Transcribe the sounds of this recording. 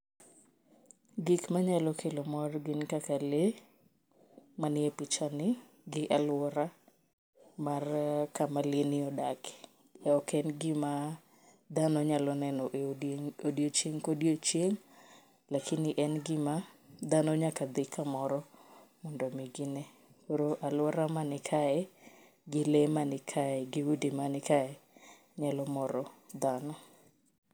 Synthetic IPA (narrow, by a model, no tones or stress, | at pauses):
ɡikmaɲalɔkʰelomɔrɡɪnkakale | manɪɛpɪt͡ʃanɪ | ɡɪʔalwɔɾa | markamalɪnɪɔdak | ɛɔkɛnɡɪma | d̪anɔɲalɔnɛnɔʔodjot͡ʃeŋkodjot͡ʃjeŋ | lakɪnɪʔɛnɡɪmad̪anɔɲakad̪ɪkʰamɔɾɔmɔndɔmiɡɪnɛ | oɾoʔalwɔɾamanɪkʰaɛ | ɡɪlemanɪkʰaɛɡɪwudimanɪkaɛ | ɲalɔmɔɾɔd̪anɔ